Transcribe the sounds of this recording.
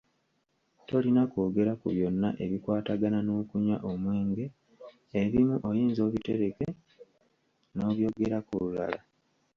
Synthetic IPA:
to̞linakoːɡe̞ɾakṵβjo̞nːa̰ʔe̞βikwaːtaɡanano̞ːkuɲa̰ʔo̞mwe̞ːŋɡe̞ | eβimuʔojiːnzo̞ːβite̞ɾe̞ke̞ | no̞ːβjo̞ːɡe̞ɾakulula̰la

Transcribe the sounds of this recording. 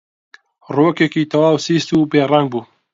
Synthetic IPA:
roːkekiːt̪ʰɐwaːwsiːst̪uːbeːraŋɡ̚buː

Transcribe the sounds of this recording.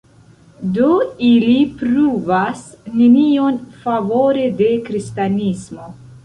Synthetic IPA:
do̞ilipɾuvasnenio̞nfavo̞ɾe̞de̞kɾistanismo̞

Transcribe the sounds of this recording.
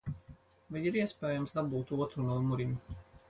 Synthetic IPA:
vajiɾiɛspɛːjamsd̪abuːt̪uɔt̪ɾunuɔmuɾim

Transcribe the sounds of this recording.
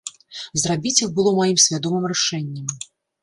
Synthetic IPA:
zrabʲit͡sʲixbɨlˠɔmajimsʲvʲad̪ɔmɨmɾɛʂɛnʲːɐm

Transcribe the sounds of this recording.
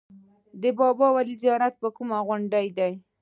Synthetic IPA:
d̪əbɑbɑwalizijɑɾat̪̚pəkumaɣʊɳɖajd̪aj

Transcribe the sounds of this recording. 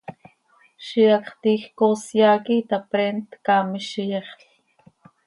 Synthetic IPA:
ʃiɑkχt̪iːxkoːsjɑːkit̪apɾeːnt̪kɑːmiʃijɛχɬ

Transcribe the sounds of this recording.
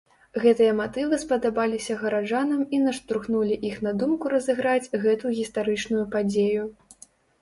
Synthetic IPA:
ɣɛt̪ɨjɐmat̪ɨvɨspɐd̪abalʲisʲɐɣɐɾad͡ʐanɐminɐʂt̪ɾuxnulʲiʔixn̪ɐd̪umkuɾɐzɨɣɾat͡sʲɣɛt̪uɣʲist̪aɾɨt͡ʂnujupad͡zʲeju

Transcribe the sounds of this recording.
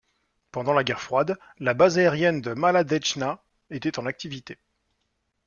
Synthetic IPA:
pɑ̃d̪ɑ̃laɡʲɛʁfχwad̪ | labazaɛʁjɛnd̪əmalad̪ɛt͡ʃna | et̪ɛt̪ɑ̃nak̚t̪ivit̪e

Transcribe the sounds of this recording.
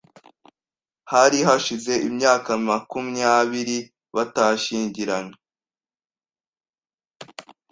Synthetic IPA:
haɾiɦaʃize̞ʔimɲaːkamakumiaβiɾi | βataʃiːɲɟiɾaɲe

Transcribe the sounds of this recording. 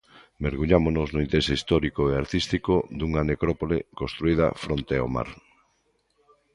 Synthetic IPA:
meɾɣuʎamonoznʊint̪eɾesist̪ɔɾikoeaɾt̪ist̪ikod̪uŋanekɾɔpolekõst̪ɾuið̞ɐ̰fɾont̪eo̰ma̰ɾ

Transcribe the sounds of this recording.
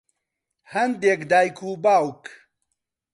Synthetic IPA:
hɐnd̪ekd̪aːjkʰuːbaːwk

